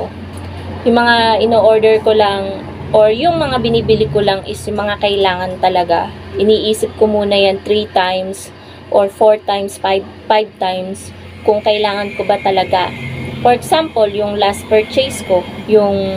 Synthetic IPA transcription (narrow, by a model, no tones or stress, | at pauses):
jʊŋmɐŋaʔɪnoːʔoɹd̪ɛɹkolaŋ | ʔoɹjʊŋmɐŋabɪniːbɪlɪkolaŋʔɪsjʊŋmɐŋakɐʔɪlaːŋɐnt̪ɐlɐɡa̰ʔɪniːʔiːsɪp̚komuːnɐjant̪ɾit̪ajms | ʔoɹfoɹt̪ajmsfaj | fajb̚t̪ajms | kʊŋkɐʔɪlaːŋɐnkobat̪ɐlɐɡafoɹɛksampoljʊŋlaspɛɹt͡ʃɛjsko̞jʊŋ